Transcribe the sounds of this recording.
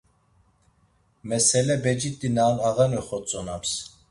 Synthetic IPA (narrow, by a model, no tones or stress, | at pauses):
mɛsɛlɛbɛd͡ʒit̪ʼːinaːnaɣɛnɛχɔt͡sʼɔnams